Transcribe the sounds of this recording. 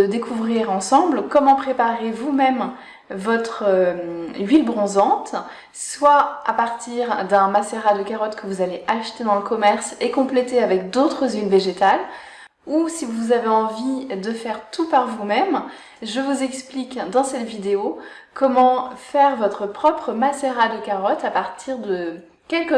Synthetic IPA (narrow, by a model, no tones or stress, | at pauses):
əd̪ekʰuvʁiʁɑ̃sɑ̃blkɔmɑ̃pχepaʁevumɛm | vɔt̪χə | ɥilbʁɔ̃zɑ̃t̪ | swaapaʁt̪iʁd̪ɛ̃maseʁad̪əkaʁɔt̪kʰəvuzaleʔaʃt̪ed̪ɑ̃ləkɔmɛʁsekɔ̃plet̪eavɛkd̪ot̪χəzilveʒet̪al | usivuzaveɑ̃vid̪əfɛʁt̪upaʁvumɛm | ʒəvuzɛksplikd̪ɑ̃sɛt̪vid̪eo | kʰɔmɑ̃fɛʁvɔt̪χəpχɔpχəmaseʁad̪əkaʁɔt̪apaʁt̪ʰiʁd̪ə | kʲɛlkə